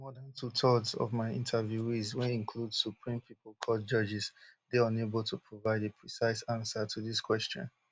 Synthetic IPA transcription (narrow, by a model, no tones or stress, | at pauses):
mɔdãntʰutʰɔdsɔ̰vmaɪḭ̃ntʰəvjuizweĩnkʰludsupʰɹĩmpʰiplˠkʰɔt̚d͡ʒʌd͡ʒɪzdeɔ̃neblˠtʰupʰɹovaɪdepʰɹisaɪsãnsətʰuðiskwɛstɔ̰̃n